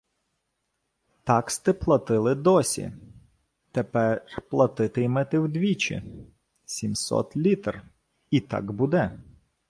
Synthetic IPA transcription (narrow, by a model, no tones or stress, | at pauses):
t̪ɑkst̪ɪplˠɐt̪ɪlˠɪd̪ɔsʲḭ | t̪ɛpɛrplˠɐt̪ɪt̪ɪjmɛt̪ɪwd̪ʲʋʲit͡ʃḭ | sʲimsɔ̰t̪lʲit̪r | it̪ɑ̰ɡbud̪ɛ